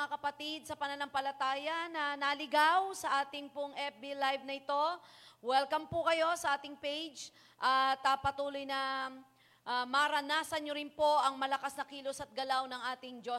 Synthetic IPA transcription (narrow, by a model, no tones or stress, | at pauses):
akɐpɐt̪id̪̚sɐpɐnɐlaŋpɐlɐt̪aːjɐnɐnɐlɪɡawsɐʔaːt̪ɪŋpʊŋʔɛp̚bilajvnɐɪt̪o̞wɛlkɐmpʊkɐjo̞sɐʔaːt̪ɪŋpejd͡ʒ | ʔɐt̪ɐpɐt̪uːlo̞jnɐ | ʔmɐɾɐnaːsɐnɲoɾɪnpo̞ʔɐŋmɐlɐkasnɐkiːlo̞sɐt̪̚ɡɐlawnɐŋʔaːt̪ɪŋd͡ʒo